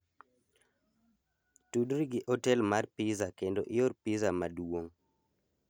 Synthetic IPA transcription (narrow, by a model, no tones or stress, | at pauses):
tudɾiɡɪʔɔtɛlmarpizakendoʔɪjorpizamaduwoŋ